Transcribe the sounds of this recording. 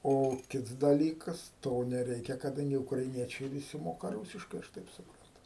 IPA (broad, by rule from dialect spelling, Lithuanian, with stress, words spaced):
ˈoː ˈkʲɪts dɐˈlʲiːkɐs ˈtoː nʲɛˈrʲɛɪkʲɛ kɐˈdɐŋʲɡʲɪ ʊkrɐɪˈnʲiɛt͡ʃʲɛɪ ʋʲɪˈsʲɪ ˈmoːkɐ ˈruːsʲɪʃkɐɪ ɐʃ ˈtɐɪp sʊˈprɐntʊ